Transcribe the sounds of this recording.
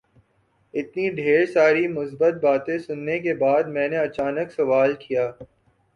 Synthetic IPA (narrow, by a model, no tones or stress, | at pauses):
ɪt̪niɖʱeːɾsaːɾimʊsbət̪̚baːt̪ẽsʊnːekebaːd̪̚mɛ̃ːneɐt͡ʃaːnəksɐʋaːlkijaː